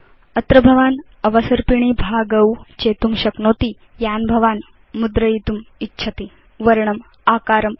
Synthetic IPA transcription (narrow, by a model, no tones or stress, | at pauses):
ɐt̪ɾɐbʱɐʋaːn | ɐʋɐsɐɾpiɳ̃iːbʱaːɡɐwt͡ɕeːt̪umɕɐknoːt̪i | jaːnbʱɐʋaːn | mud̪ɾɐjit̪umitːɕʰɐt̪i | ʋɐɾɳɐm | aːkaːɾɐm